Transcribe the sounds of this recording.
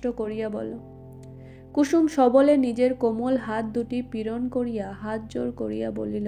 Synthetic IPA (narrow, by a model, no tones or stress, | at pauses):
ʈokoɾijabɔ̰lo | kuʃumʃɔbolenid͡ʑeɾkomolɦat̪̚d̪uʈipiɾonkoɾijaɦat̪̚d͡ʑoɾko̰ɾijabo̰lile